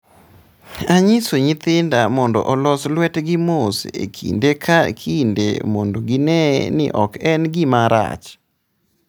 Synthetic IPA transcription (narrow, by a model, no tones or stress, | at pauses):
aɲɪsoɲɪt̪ɪndamɔndɔ̰ʔɔlɔslwɛtɡɪmosḛkʰḭndekʰakʰindḛmondoɡɪnɛnɪ̰ʔɔkɛnɡɪmaɾa̰t͡ʃ